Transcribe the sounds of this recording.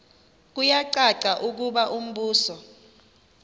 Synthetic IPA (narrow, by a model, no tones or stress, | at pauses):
k̬ujaǀaǀaʔuk̬uɓaʔum̩ɓuːsɔ